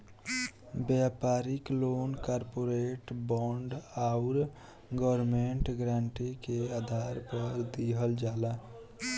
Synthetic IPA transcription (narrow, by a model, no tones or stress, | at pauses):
bjaːpaːɾɪkloːnkaːɾpoːɾeːʈbɔːɳɖaʊɾ | ɡɔːɾmẽɳʈɡɾaːɳʈikeaːd̪ʱaːɾpəɾd̪iːɦəld͡ʒaːlaː